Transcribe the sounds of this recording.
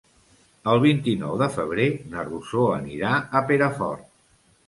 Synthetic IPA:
əlˠβ̞int̪inɔwðəfəβ̞ɾenərusoə̰niɾaəpeɾəfɔ̰rt̪

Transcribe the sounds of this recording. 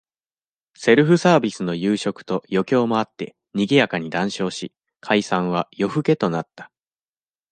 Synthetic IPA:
se̞ɾɯ̟ɸɯ̟saːbʲisɨno̞jɯːɕo̞kɯ̟̥t̪o̞jo̞kʲo̞ːmo̞at̪ːe̞ | ɲ̟iɡʲijakaɲ̟id̪ãɰ̃ɕo̞ːɕi | kʰaisãɰ̃β̞ajo̞ɸɯ̟ke̞t̪o̞nat̪ːḁ

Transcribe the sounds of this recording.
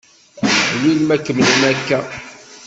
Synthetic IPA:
lilmækːəmləmækːæ

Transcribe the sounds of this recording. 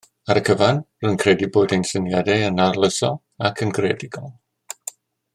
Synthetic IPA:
aɾəkʰəvanrənkʰrɛdiboːdejnsənjadɛənarlˠəsɔ | akʰənɡrɛdɪɡɔlˠ

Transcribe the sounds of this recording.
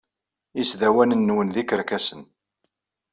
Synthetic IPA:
isðæwænənːwənðikəɾkæsən

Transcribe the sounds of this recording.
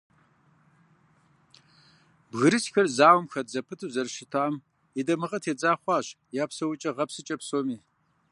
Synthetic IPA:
bɣɨɾɨsxɐrzaːwmxɐtzɐpʰɨtʰɨzɐrʃɪtʰam | idɐmɨʁɐtʰeːd͡zaːχʷɑːɕ | jaːpsɐwʊt͡ʃʼɐʁɐpsɨt͡ʃʼɐpsoːmiː

